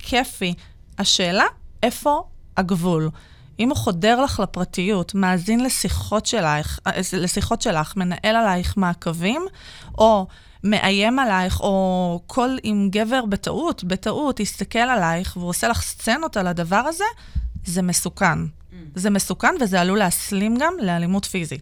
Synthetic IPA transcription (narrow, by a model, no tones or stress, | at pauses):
kʰefi | haʃe̞ːlaʔe̞fo̞haɡvul | ʔimuχo̞de̞ʁlaχlapʁatijutmaːzinlesiχo̞tʃelaχlesiχo̞tʃe̞laχme̞naʔe̞lalajχmaːkavim | ʔo̞ | me̞ʔaje̞malajχo̞kʰo̞limɡe̞ve̞ʁbeta̰ʔutbetaʔutist̪ake̞lalajχveuʁose̞laχst͡senotaladavaʁaze̞ | zeme̞sukan | zeme̞sukanvezealuleaslimɡamlealimutfizit